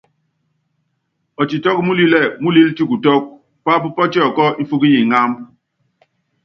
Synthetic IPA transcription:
ɔ˨t͡ʃi˨tɔ˦k̚mu˦li˦lɛ˦˨mu˦li˦lti˦ku˨tɔ˦k̚ | pa˦pu˦pɔ˦t͡ʃɛ˦ɔ˨kɔ˦i˦fu˦ki˦ji˨ŋa˦m

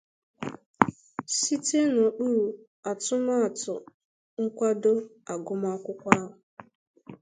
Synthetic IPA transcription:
si˦te˦no˨ɗu˦ɾu˨ | a˨tʊ˦ma˦a˨tʊ˨ | ŋ̩˦kʷa˦do˦a˨ɡʊ˦ma˦ɔ˦kʷʊ˦kʷa˦ɦʊ˨

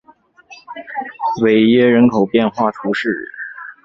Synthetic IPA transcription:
we˨˩ɪɥɛ˥ɻə˧˥nkʰo˨˩ʊpjɛ˥˧nxwa˥˩t̪ʰu˧˥ʂɻ̩˥˩˦

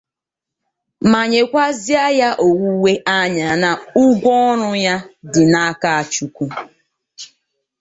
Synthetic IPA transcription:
ma˨ɲe˨kʷa˦zi˦a˦ja˦ʔo˨wu˦we˦ʔa˦ɲa˨na˨ʊ˦ɡʷɔ˦ɾʊ˦ja˦dɪ˨na˦ka˦a˨t͡ʃu˨kʷu˦

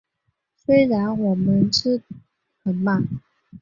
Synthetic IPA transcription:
swe˥ɪɻa˧˥nwɔ˨˩mə˧˦nʈ͡ʂɻ̩˥˩ | xə˨˩nma˥˩

